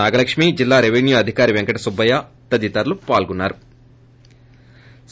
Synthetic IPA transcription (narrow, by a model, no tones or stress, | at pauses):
aːɡɐlɐkʂmiːd͡ʒilːaːɾiʋenjuɐd̪ʱikaːɾiʋɛŋkɐʈɐsubːɐjaː | t̪ɐd̪it̪ɐɾlupaːlɡunːaːɾu | s